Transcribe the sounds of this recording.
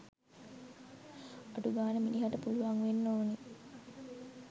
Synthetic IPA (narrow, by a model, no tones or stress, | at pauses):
aʈuɡaːnəminiɦaʈəpuluʋaŋʋenːoːne